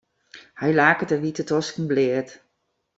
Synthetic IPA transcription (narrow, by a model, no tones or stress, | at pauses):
hajlaːkətəʋitətʰɔskn̩blɪət